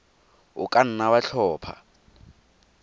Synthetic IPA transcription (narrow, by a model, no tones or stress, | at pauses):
ʊkʼan̩nawaɬʰɔːpʰa̰